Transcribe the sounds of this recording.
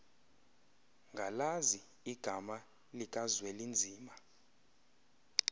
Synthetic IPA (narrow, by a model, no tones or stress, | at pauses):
ŋɡʱalazi | iɡ̥ʱama | likʼazwɛlind͡zʱiːma